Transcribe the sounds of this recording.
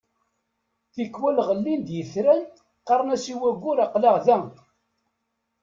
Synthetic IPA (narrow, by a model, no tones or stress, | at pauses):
θikːwælʁəlːind̪jəθɾæn | qɑɾˤnæsiwæɡʷːʊɾɑqlɑʁðæ